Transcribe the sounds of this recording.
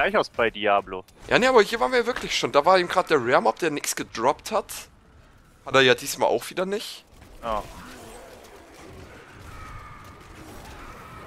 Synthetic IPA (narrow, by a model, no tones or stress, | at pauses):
laɪçaʊsb̥aɪdiaːblo | jʔa̰ːneaːbɐhiːɐvaːʁnviːjavɪɐkʰlɪçʃoːndaːvaːɐeːbm̩ɡʁaːt̚d̥eːɐʁɛːɐmɔp̚d̥eːɐnɪksɡ̥ədʁɔpthat | hateːɐjaːdiːsmaːlʔa̰ʊxv̥iːdɐnɪç | jaː